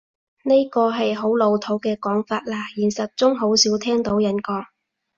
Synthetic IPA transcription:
ne˥jkɔː˧ɦɐ˨jɦo˨˥wlo˨˧wt̪ʰo˨˥wkɛː˧kɔː˨˥ŋfaː˧t̚laː˧jiː˨˩nsɐ˨t̚t͡sʊ˥ŋɦo˨˥wsiː˨˥wt̪ʰɛː˥ŋt̪o˨˥wjɐ˨˥nkɔː˧

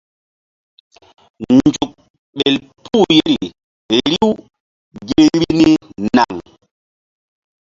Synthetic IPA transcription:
nd͡ʒu˨k̚ | ɓe˨l | pʰu˦˨je˦ɾi˨ | ɾi˦w | ɡe˦ɾi˦ni˦na̰˨ŋ

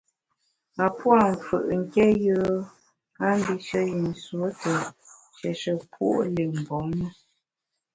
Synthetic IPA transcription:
a˨pwa˦˨ɱ˨fə̰˨ʔŋ̩˨kɛ˦jəː˦ | a˦m̩˦bi˦ʃə˦ji˨n˨swo˦tə˨ʃɛ˨ʃə˨pwṵ˦ʔle˨m˨bɔ˨˦ŋmə˦

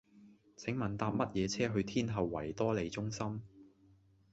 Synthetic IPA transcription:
t͡sʰɪ˨˥ŋmɐ˨nt̪aː˧p̚mɐ˥t̚jɛː˨˧t͡sʰɛː˥ɦɵ˧ɥt̪ʰiː˥nɦɐ˨wːɐ̰˨˩jt̪ɔː˥le˨˧jt͡sʊ˥ŋsɐ˥m

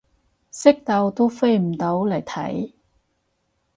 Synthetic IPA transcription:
sɪ˥k̚t̪ɐ˧wt̪o˥wfe˥jm̩˨˩t̪o˨˥wlɐ˨˩jt̪ʰɐ̰˨˥j

